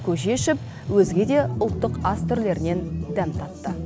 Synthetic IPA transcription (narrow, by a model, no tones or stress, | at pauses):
kʲʰɵʒe̞ʃɪp̚ | wɵzɡʲe̞d̪e̞ʊlˠt̪ːəqɑst̪ʰʏɾle̞ɾɪne̞nd̪ænt̪ʰɑt̪ːə